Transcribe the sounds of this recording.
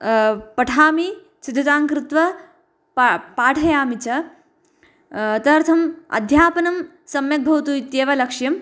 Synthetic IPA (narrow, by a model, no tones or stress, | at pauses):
pɐʈʰaːmi | sid̪ʱːɐt̪aːŋkɾɪt̪ʋɐ | ppaːʈʰɐjaːmit͡ʃɐ | t̪ɐɾt̪ʰɐmɐ̰d̪ʱjaːpɐnɐm | sɐmjɐk̚bʱɐʋt̪uːit̪jeːʋɐlɐkʂjɐm